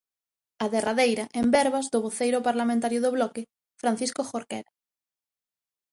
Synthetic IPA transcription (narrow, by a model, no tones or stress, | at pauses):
aðeraðejɾaʔẽmbɛɾβazðoβoθejɾopaɾlamẽnt̪aɾjoðoβlɔke | fɾãn̟θiskoxoɾkḛɾa